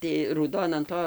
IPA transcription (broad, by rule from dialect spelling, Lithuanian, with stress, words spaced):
tɐɪ ruːˈdoːn ɐn ˈtoː